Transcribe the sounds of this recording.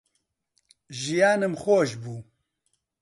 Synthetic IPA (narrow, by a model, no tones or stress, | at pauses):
ʒijaːnɨmxoːʒbuː